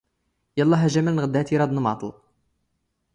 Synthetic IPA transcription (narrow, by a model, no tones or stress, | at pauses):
jɑlˤːɑɦæʒæmælnɣəd̪ːæht̪iɾˤɑd̪nmɑ̰t̪ˤl